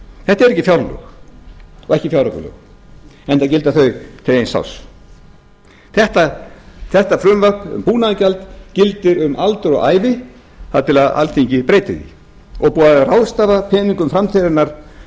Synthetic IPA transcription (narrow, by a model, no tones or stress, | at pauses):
θɛht̪aɛɾɛhcːɪfjawɾlœ̰x | ɔɣɛhcɪfjawɾœkʏ̰lœ̰ɣ | ɛnt̪acɪlt̪aθœɥt̪ʰɪejnsa̰ws | θɛht̪aθɛht̪afɾʏmvœkʏ̰mpuːnaacalt̪cɪlt̪ɪɾʏmalt̪ʏɾɔ̰ɣa̰ːjvɪ | θaðt̪ʰɪlaða̰lt̪ʰiɲcɪpɾeːjt̪ɪðḭ | ɔɣpuːaðrawðst̪aːvapʰɛːniŋkʏmfɾamt̪ʰeðɪnaɾ̥